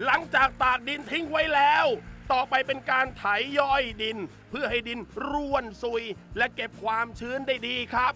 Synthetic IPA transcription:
la˨˩˦ŋt͡ɕaː˨˩k̚t̪aː˨˩k̚di˧nt̪ʰi˦˥˩ŋwa˦˥jlɛː˦˥wt̪ɔː˨˩pa˧jpe˧nkaː˧nt̪ʰa˨˩˦jːɔ˥˩jdi˧n | pʰɯ˥˩ɐɦa˥˩jdi˧nɾu˧˩ənsu˨˧˩jlɛ˦˥ʔke˨˩p̚kʰwaː˧mt͡ɕʰɯː˦˥ndaː˥˩jdiː˧kʰɾa˦˥p̚

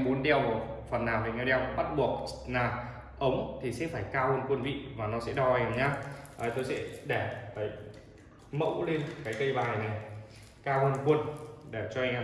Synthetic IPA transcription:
ɓo˨˦nɗɛ˧˩wfə˨˩nːaː˨˩wɗə˨˩ŋɛ˨˦ɗɛ˧˩wɓa˦˥t̚ɓu˨˩ək̚naː˨˩ | ʔə˨˦wŋ͡mt̪ʰi˨˩sɛ̰˧˥faː˧˩jkaː˧həː˧nkwə˧nvḭ˧˨vaː˨˩nɔ˨˦sɛ̰˧˥ɗɔ˧a˧ɲaː˧ʔəː˨˩t̪o˧jsɛ̰˧˥ɗɛ˧˩fəː˨˦˩j | mə̰˧˥wle˧nkaː˨˦jkə˧jɓaː˨˩jna˨˩j | kaː˧hə˧nkwə˧nɗɛ˧˩t͡ɕɔ˧ʔa˧ŋ̟a˧

